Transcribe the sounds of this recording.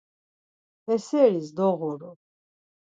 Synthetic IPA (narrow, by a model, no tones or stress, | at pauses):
ɛsɛɾisd̪ɔɣɔɾɔ